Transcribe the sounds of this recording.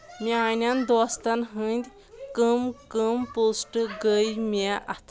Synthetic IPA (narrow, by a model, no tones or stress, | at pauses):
mianʲjãnd̪ʋast̪anɦə̃nd̪ʲ | kəmkəmposʈɡəjmaʔat̪ʰ